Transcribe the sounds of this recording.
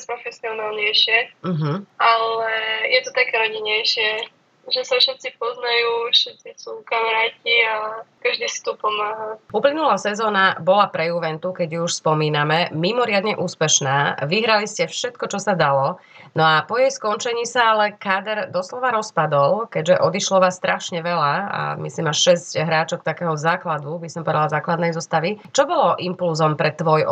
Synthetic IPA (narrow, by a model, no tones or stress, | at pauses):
aspɾɔfɛsiɔnaːlɲɛjʃɪɛm̩ɦ̩alɛjɛt̪ɔt̪akɛɾɔɟɛɲɛjʃɪɛ | ʒɛsafʃɛt̪t͡sip̚ɔznajuːfʃɛt̪sisukamaɾaːciakaʒd̪iːsi̥t̪ɔpɔmaːɦauplinulaːsɛzɔːnabɔlapɾɛjuʋɛnt̪ukɛɟjuuʃspɔmiːnamɛmimɔɾɪad̪ɲɛʔuːspɛʃnaːʋiɦɾaliscɛfʃɛt̪kɔt͡ʃɔsad̪alɔ | nɔapɔjɛjskɔnt͡ʃɛɲiːsaalɛkaːd̪ɛɾd̪ɔslɔʋaɾɔspad̪ɔlkɛɟʒɛʔɔd̪iʃlɔʋaːst̪ɾʔaʃɲɛʋɛlaa̰mḭsliːmaʃʃɛscɦɾaːt͡ʃɔkt̪akɛːɦɔzaːklad̪ubisɔmpɔɛd̪alazaːklad̪nɛjzɔst̪aʋit͡ʃɔbɔlɔʔimpulzɔmpɾɛt̪ːʋɔj